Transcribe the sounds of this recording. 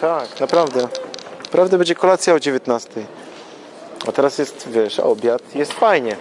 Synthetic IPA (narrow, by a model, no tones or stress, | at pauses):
t̪aknapɾavd̪ɛpɾavd̪ɛbɛɲd͡ʑɛkɔlat̪sʲjaɔd͡ʑevʲjɛt̪nast̪ɛj | a̰t̪ɛɾasjɛst̪vʲjɛʂa̰ɔbʲjat̪jɛst̪fajɲɛ